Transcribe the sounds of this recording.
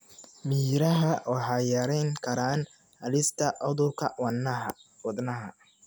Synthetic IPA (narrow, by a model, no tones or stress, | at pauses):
miːɾɐɦɐwɑħɑːjɐɾɛjŋkʰɐɾaːn | hɐlɪst̪ʰɐʔɔðʊkʰɐwɑnːɐɦɐ̰wɑd̪nɐɦɐ